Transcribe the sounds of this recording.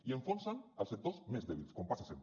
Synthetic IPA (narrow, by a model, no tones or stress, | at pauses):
ieɱfonsanased̪osmeszd̪eβilskompasesen